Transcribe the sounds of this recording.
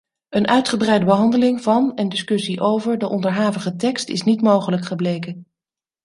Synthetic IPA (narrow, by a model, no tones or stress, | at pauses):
ənʔœɥtχəbrɛjdəbəɦɑndəlɪŋvɑnəndɪskɵsiʔowvəɹdəʔɔndəɹɦaːvəχətɛkstɪ̰snitmowχələkχəblejkən